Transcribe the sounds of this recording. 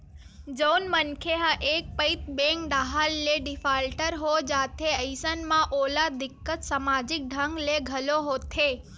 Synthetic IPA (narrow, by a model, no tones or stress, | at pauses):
d͡ʒəwnmənkʰeɦəʔek̚pəit̪̚bẽŋk̚ɖ̪aɦalːeɖɪfalʈəɾɦod͡ʒat̪ʰeəjsənmãʔolad̪ɪkːət̪samad͡ʒɪk̚ɖʱəŋɡleɡʱəloɦot̪ʰe